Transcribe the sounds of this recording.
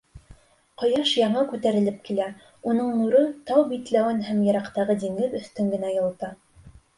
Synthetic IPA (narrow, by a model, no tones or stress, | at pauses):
qɤ̆jɑʃjɑɴɑkʉt̪æɾɘ̆lɘp̚kilæ | unɤɴnuɾɤt̪ɑwbit̪læwɘnɦæmjɤ̆ɾɑqt̪ɑʁɤd̪iŋɡɘðɵ̆θt̪ɵŋɡɘ̆næjɤ̆lˠt̪ɑ